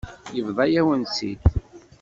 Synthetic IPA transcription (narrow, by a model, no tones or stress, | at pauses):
jəvðˤɑjæwənsḭt̪